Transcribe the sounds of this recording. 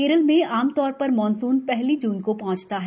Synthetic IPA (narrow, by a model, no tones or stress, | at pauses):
eːɾəlmẽaːmt̪ɔːɾpɐɾmɔːnsuːnpɛɦlid͡ʒuːnkopɐɦʊ̃t͡ʃt̪aɦɛ